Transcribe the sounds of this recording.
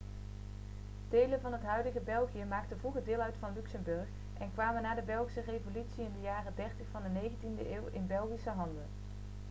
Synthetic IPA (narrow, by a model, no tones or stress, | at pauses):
d̥ejlənvɑnɦətɦœɥdəɣəbɛlˠχijəmaːktənvuχədɪːlˠœɥtfɑnlyksəmbɵɹχ | ʔɛnkʋaːmənːaːdəbɛlˠχisərejvolytsiɪndəjaːrədɛɹtəχfɑndənejɣəntində̰ʔeːwɪ̰nbɛlˠχisəɦɑndən